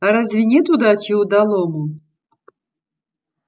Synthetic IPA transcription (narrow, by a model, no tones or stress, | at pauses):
aɾazʲvʲinʲɛt̪ud̪atiud̪alˠomu